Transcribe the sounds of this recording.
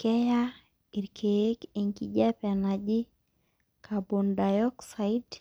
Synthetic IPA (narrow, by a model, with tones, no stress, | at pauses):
kɛ˦ja˦ | i˨ɾkʰee˦ke˨ŋki˨d͡ʒɛ˦pɛ˨na˨d͡ʒɪ˦ | kʰa˨bo˨ndajɔ˦ksa˨i˦d